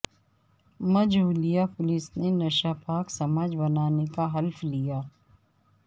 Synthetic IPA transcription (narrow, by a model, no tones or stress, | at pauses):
mɐd͡ʒuːlijapʊlɪsnenɐʃapaːksɐmaːd͡ʒbɐnaːnekaɦɐlflijaː